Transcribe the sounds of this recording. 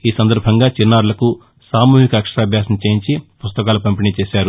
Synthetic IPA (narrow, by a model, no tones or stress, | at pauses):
iːsɐnd̪ɐɾbʱɐŋɡaːt͡ʃinːaːɾulɐku | saːmuːɦikɐːkʂɐɾaːbʱjaːsɐnɐt͡ʃeːjiɲt͡ʃipust̪ɐkaːlupɐmpinit͡ʃeɛːʃaːɾu